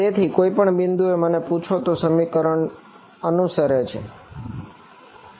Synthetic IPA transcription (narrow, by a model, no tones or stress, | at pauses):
t̪et̪ʰikoipəɳbɪnd̪ueməneput͡ʃʰot̪osəmikəɾəɳ | ənusəɾet͡ʃʰḛ